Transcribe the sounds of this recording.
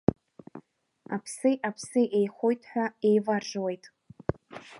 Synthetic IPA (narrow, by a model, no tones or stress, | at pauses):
apʰsɨjʔapʰsɨʔejχʷojtʰʼħʷᶣae̞jvarʐwe̞jtʼ